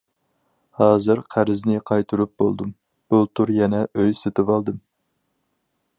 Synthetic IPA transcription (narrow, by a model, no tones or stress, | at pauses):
hɑːzɨɾqʰæɾɪznɪqʰɑjt̪ʰuɾup̚bo̰lˠd̪um | b̥ut̪ʰuɾjɛnɛʔøjset̪ʰɨvɑlˠd̪ɨm